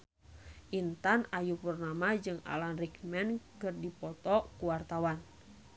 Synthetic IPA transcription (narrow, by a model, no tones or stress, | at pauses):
ʔint̪anajupərnamad͡ʒɨŋa̰lanrik̚mɛnkɨrdipɔt̪ɔkuwart̪awan